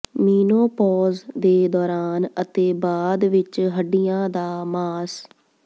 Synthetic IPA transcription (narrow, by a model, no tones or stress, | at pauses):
miːnoːpɔːzd̪eːd̪ɔːɾaːnət̪eːbaːd̪ʋɪt͡ʃɦəɖːɪjãːd̪aːmaːs